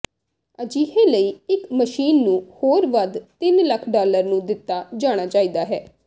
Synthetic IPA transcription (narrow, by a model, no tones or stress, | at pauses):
əd͡ʒiːheːləiːɪkməʃiːnːũːhoːɾʋəd̪t̪ɪnləkʰɖaːləɾnũːd̪ɪt̪ːaːd͡ʒaːɽ̃aːt͡ʃaːiːd̪aːɦɛː